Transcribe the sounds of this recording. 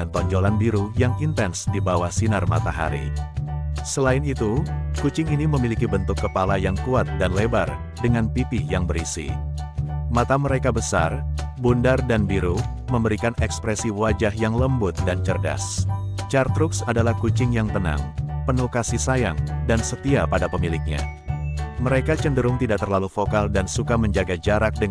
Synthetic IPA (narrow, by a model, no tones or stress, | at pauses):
ant̪ɔɲd͡ʒolanbiɾujaŋint̪ɛnsdibawasinarma̰t̪aɦa̰ɾḭ | səlaɪnit̪ukut͡ʃɪŋiniməmilikibənt̪ʊkːəpalajaŋkuat̪̚danlebar | dəŋanpipijaŋbəɾisḭ | mat̪aməɾekabəsa̰rbundardanbiɾu | məmbəɾikanɛkspɾɛsiwad͡ʒahjaŋləmbʊt̪̚dant͡ʃərda̰st͡ʃart̪ɾʊksadalahkut͡ʃɪŋjaŋt̪əna̰ŋpənukasisajaŋdansət̪iapadapəmilɪk̚ɲa̰ | məɾekat͡ʃəndəɾʊŋt̪idaʔ̚t̪ərlalufokaldansukaməɲd͡ʒaɡad͡ʒaɾak̚də